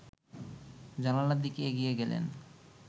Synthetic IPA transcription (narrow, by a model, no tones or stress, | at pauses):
d͡ʑalalad̪ikeeɡijeɡɛlḛn